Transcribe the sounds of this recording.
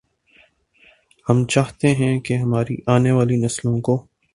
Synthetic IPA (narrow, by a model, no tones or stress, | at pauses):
hɐmt͡ʃaːɦt̪eɦɛ̃keɦɐmaːɾḭʔaːneʋaːlinɐslõko